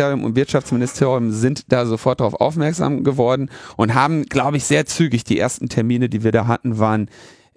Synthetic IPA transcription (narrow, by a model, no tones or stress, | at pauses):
eːʁjʊmʔʊ̰ntvɪɐtʃaft͡smɪnɪstʰeːʁjʊmzɪntd̥aːzofɔɐt̚d̥ʁaʊfʔa̰ʊfmɛɐkz̥a̰ːmɡəvɔɐdn̩ʔʊntɦaːbm̩ɡ̥laʊbəɪçz̥eːɐt͡syːɡɪçd̥iːʔḛːɐstn̩tʰɛɐmiːnədiːviːɐdaːɦatn̩vaːʁn